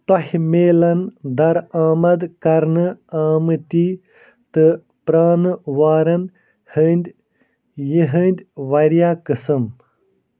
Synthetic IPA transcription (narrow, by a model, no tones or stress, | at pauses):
t̪ɐɦmeːlɐnd̪ɐɾaːmɐd̪kɐɾnɨaːmɨt̪iː | t̪ɨ | pɾaːnɨʋaːɾɐn | hənʲd̪ʲ | jiɦənʲd̪ʲʋɐɾjaːkɨsɨm